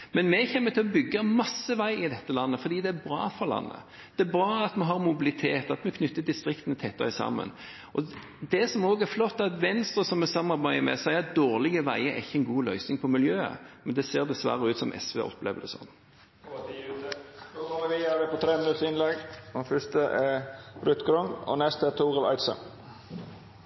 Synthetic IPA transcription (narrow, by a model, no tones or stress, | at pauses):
mɛnmɛçɛmːət̪ʰɪlɔbʏɡːəmɑsːəʋæɪʔɪd̪ɛt̪ːəlɑnːəfɔɾd̪iːd̪ɛæbɾɑ̰ːfɔʁlɑ̰nːə̰ | d̪̥ɛːbɾɑːɑt̪mɛɦɑʁmʊbɪlɪt̪ʰeːt̪ɑt̪mɛkʰnʏt̪ːəd̪ɪst̪ɾɪkt̪ənət̪ʰɛt̪ːœ̰ɪsɑ̰mːə̰n | ʔɔ | d̪ɛsɔmoːɡɛɾflɔt̪ːɑt̪ʋɛnst̪ɾəsɔmːɛsɑmːɑʁɾbæɪəmɛ̰sæɪɑd̪oːʁlɪɡəʋæɪəɾɛɪçːəɛnɡuːlœʏsnɪŋpʰɔmɪljøːə̰mɛnd̪ɛseːɾd̪ɛsʋæ̰ɾəʉːt̪sɔmʔɛ̰sʋɛ̰ʔɔ̰pːlḛːʋəd̪ɛ̰sɔ̰nː | oʁɑləʋiæʋəpɔt̪ʰɾeːmɪnʉt̪ːəɪnlɛɡmɛfœʂt̪əʔɛɾʉt̪ɡɾʊŋɔ̰nɛst̪əɛt̪ʰuːʁəlɑ̰ɪt̪sə̰n